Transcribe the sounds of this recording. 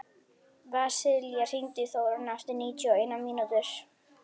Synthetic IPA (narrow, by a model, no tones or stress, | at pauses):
vasɪljarint̪ɪθɔɾnast̪ɪniːt͡ɕɔejnaminut̪ɪɾ̥